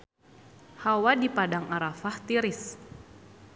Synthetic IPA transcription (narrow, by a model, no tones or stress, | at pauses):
hawadipadaŋaɾafaht̪iɾis